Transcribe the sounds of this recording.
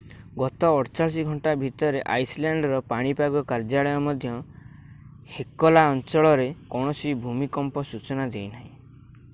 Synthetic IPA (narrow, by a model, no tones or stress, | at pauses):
ɡɔt̪ɔːɽt͡ʃaɭs̬iɡʱɔɳʈabʱit̪ɔɾeʔajslaɳɖɾɔpaɽ̃ipaɡɔkaɾd͡ʒaɭɔjɔmɔd̪ʱjɔ | hekɔlaɔnt͡ʃɔɭɔɾekɔɽ̃ɔsibʱumikɔmpɔsut͡ʃɔnad͡ʒejnaɦĩ